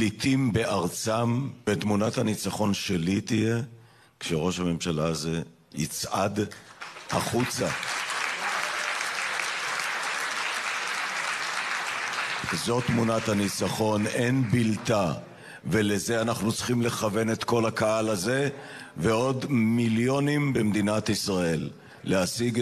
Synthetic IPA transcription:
lit̪imbeʔaʁt͡sambet̪munat̪hanit͡saχo̞nʃelit̪ije | kʃeʁo̞ʃhame̞mʃalaze | jḭt͡sʔad | a̰χut͡sa | zo̞t̪munat̪hanit͡saχo̞ne̞nbilta | veleze̞anaχnut͡sχimle̞χave̞ne̞t̪ko̞lakaalaze̞veo̞d̪miljo̞nimbemd̪inat̪isʁae̞lː | easiɡ

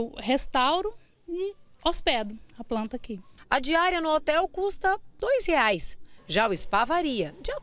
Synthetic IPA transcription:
wɦest̪awɾʊ | ɪospɛd̪ʊɐplɐ̃nt̪ɐakiɐd͡ʒiaɾiɐnʊɔt̪ɛwkust̪ɐd̪ojsheajsʒaʊɪspavaɾiɐd͡ʒɪa

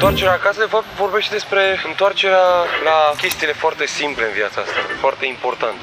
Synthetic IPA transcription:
t̪oart͡ʃeɾeaːkasəd̪efap̚t̪vo̞rbe̞ʃt̪ed̪e̞spɾe̞ɨnt̪oart͡ʃe̞ɾealakʲe̞st̪iːle̞foart̪e̞simple̞ɨnviat̪saa̰st̪a̰foart̪e̞impo̞rt̪ant̪

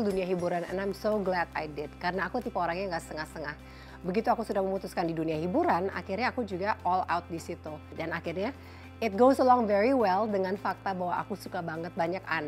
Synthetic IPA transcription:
lduniaɦibuɾanɛ̰̃najmsoɡlɛda̰jdɪd̚kaɾənaːkut̪ipaoɾaŋɲaŋɡaʔst̪əŋahst̪əŋah | bəɡit̪uakusudahməmut̪uskandiduniaɦibuɾana̰kirɲaːkud͡ʒuɡaʔɔla̰wt̪̚disit̪udanakɪrɲa | ɪt̪̚ɡowzəlɔŋvɛɹiwɛldəŋanfak̚t̪abaɦwaʔa̰kusukabaŋət̪̚baɲaka̰n

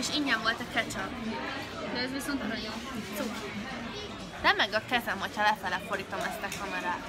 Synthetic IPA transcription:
eʃiɲːamvo̞lt̪ɒkɛt͡ʃɒ | d̪ɛɛzʋiso̞nt̪ɾojosuki | d̪̥ɛmɛɡɒkɛzɛmɒcʰɒlɛfɛlɛfoɾit̪o̞mɛst̪ɒkɒmɛɾaːt̪

